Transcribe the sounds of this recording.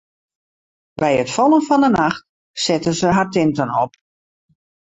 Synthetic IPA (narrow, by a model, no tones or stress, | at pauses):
bɛjətfɔlˠənfɔndənaxt | sɪtənzəɦartɪntənɔp